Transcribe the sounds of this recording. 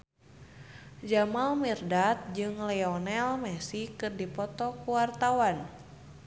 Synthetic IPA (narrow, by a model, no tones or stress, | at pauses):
d͡ʒamalmirdat̪̚d͡ʒɨŋlɛɔnɛlmɛsikɨrdipɔt̪ɔkuwart̪awan